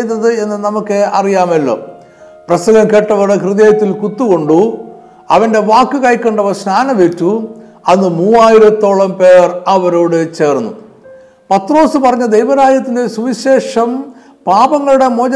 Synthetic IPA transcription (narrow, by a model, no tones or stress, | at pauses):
jt̪ːɐðɨe̞nːɨnɐmukːɨɐrijaːmɐlːo̞̰ː | prɐsɐɡɐmke̞ʈːɐʋɐɾɽekrɨðeːjɐt̪ːilkut̪ːuɣo̞ɳɖu | ɐʋɐnde̞ʋaːkːɨkɐjkːeːɳɖɐʋɐsnaːnɐʋetːu | ɐnːɨmuːaːjiɾɐt̪ːo̞ːɭɐmpe̞ːrɐʋɐɾoːɽɨt͡ɕe̞ːrnːṵ | pɐt̪ːro̞ːsɨpɐrɐɲːɐd̪ejʋɐɾaːd͡ʑɐt̪ːinde̞suʋiɕe̞ːʂɐm | paːbɐŋːɐɭuɽe̞mo̞ːd͡ʑɐ